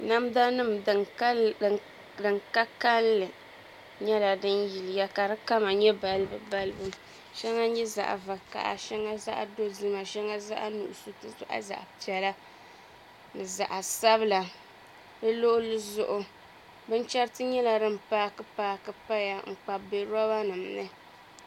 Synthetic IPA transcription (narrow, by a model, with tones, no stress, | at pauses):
na˦mda˦nɨ˦m˨ | dɨ˨ŋka˦ka˦lːɨ˨ | ɲɛ˦la˨dɨ˦nji˨lɪ˨ja˦ka˨ɾɨ˦ka˦ma˨ɲɛ˦ba˨lɨ˦bɨ˨ba˦lɨ˦bɨ˦m | ʃɛ˦ŋa˦ɲɛ˦za̰˨ʔa̰˨va˨ka̰˦ʔa̰˨ʃɛ˦ŋa˦za̰˦ʔa̰˦do˦zɨ˦ma˨ʃɛ˦ŋa˦za̰˦ʔa˦nṵ˨ʔʊ˨su˦tɨ˦zʔa̰˦za̰˨ʔpi˨ɛ˨la˦ | nɨ˨za˨ʔa˨sa˦bɨ˦la˨ | dɨ˦lo˦ʔʊ˦lɨ˦zʊ˦ʔʊ˦ | bɨ˦n˦t͡ʃɛ˦ɾtɨ˦ɲɛ˦la˨dɨ˦m˨paː˦kɨ˦paː˦kɨ˨pa˦ja˨ŋ͡m̩˨k͡pa˨be˨ɾɔ˦ba˦nɨ˨mnɨ˦